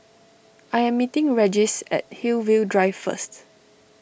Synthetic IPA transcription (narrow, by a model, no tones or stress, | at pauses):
ʔajɛ̃mːitɪ̃ŋɹɛd͡ʒɪsɛ̰t̚hilvildɹaɪvfə̰st